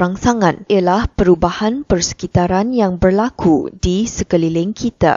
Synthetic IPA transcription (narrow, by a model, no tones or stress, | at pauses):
ɾaŋsaŋãnijalahpəɾubahanpərsə̥kit̪aɾanjaŋbərlakʰudisəkəlilɪŋkʰit̪a̰